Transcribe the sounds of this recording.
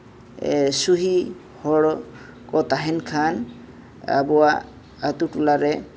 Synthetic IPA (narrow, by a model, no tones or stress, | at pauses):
suɦi | hɔɽɔ | kɔt̪aɦɛnkʰan | a̰bɔwa | at̪utulaɾɛ